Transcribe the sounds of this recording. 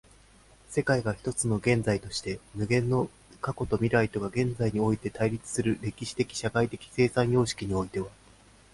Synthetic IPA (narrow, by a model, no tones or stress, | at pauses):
se̞kaiɡaçʲi̥t̪o̞t͡sɨno̞ɡẽ̞nd͡zait̪o̞ɕi̥t̪e̞mɯ̟ɡẽ̞nːo̞ | kako̞t̪o̞mʲiɾɯait̪o̞ɡaɡẽ̞nd͡zaiɲ̟io̞it̪e̞t̪aiɾʲit͡sɨ̥sɨɾɯ̟ɾe̞kʲiɕi̥t̪e̞kʲi̥ɕakait̪e̞kʲi̥se̞ːsãɰ̃jo̞ːɕi̥kʲiɲ̟io̞it̪e̞βa